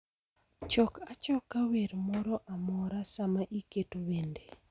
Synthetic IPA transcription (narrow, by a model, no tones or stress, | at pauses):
t͡ʃɔkat͡ʃɔkːaweɾmɔɾɔʔamɔɾasamaʔiketowende